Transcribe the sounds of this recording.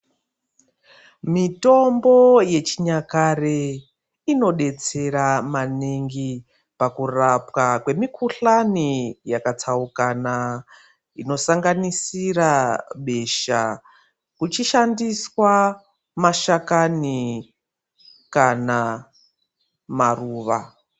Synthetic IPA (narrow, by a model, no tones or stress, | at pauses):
mito̞mbo̞je̞t͡ʃiɲakare | ino̞ɗe̞t͡se̞ɾamaneŋɡi | pakurapwakwe̞mikʰuɬanijakat͡saukana | ino̞saŋɡanisiraɓe̞ʃa | kut͡ʃiʃandiswa | maʃakani | kana | maruːʋa